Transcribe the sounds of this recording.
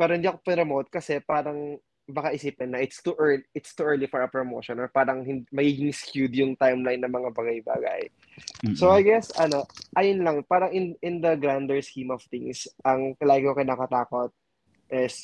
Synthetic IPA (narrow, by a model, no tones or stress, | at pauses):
pɛɾohɪnd̪iːʔɐkopɪɐmʔod̪̚kɐsɛpaːɾɐŋ | bɐkaʔɪsiːpɛnːɐʔɪt̪st̪uʔɛɹlɪt̪st̪uʔɛɹlifɔɹɐpɹɔmowʃɔnɔɹpaːɾɐŋhɪnd̪mɐɡiːɡɪŋskjud̪jʊŋt̪ajmlajnːɐmɐŋabaɡɐjba̰ːɡɐ̰j | sowajɡɛsɐno̞ʔɐjʊnlɐŋpaːɾɐŋɪnɪnd̪ɐɡɾand̪ɛɹskimɔv̥t̪ɪŋsʔɐŋkɐlaːɡɪkokɐjnɐkɐt̪aːkot̪̚ | ʔɪs